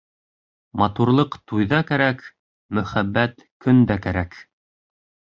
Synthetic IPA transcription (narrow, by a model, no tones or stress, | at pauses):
mɑt̪uɾlˠɤqt̪ujðɑkæɾæk | mɵ̆χæbːæt̪kɵ̆nd̪ækæɾæk